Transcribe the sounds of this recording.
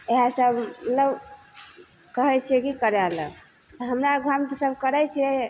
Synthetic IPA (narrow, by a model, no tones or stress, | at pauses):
eɦasəbmət̪ləb | kəɦɛt͡ʃʰiɛkikəɾalə̰ | t̪ɔɦəmɾaɡʱamt̪səbkəɾɛt͡ʃʰiɛ